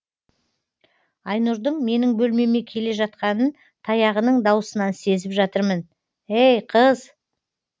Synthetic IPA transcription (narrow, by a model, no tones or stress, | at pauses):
ɑjnuɾd̪əɴme̞nɪŋbɵlme̞me̞kʲʰe̞le̞ʒɑt̪̚qɑnən | t̪ʰɑjɑʁənəɴd̪ɑwəsənɑnse̞zɪpʒɑt̪əɾmən | ejqʰəz